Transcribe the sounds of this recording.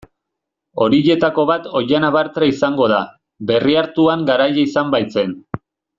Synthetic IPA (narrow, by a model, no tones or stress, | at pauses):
o̞ɾiʎe̞t̪ako̞βat̪o̞janaβaɾt͡s̪ɾaisaŋɡo̞ð̞a | be̞riaɾt̪uaŋɡaɾajaisambajt͡se̞n